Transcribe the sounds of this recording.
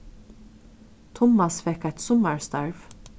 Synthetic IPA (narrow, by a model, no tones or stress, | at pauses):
t̪ʰʊmːasfɛkajt̪sʊmaɹst̪ɑɹv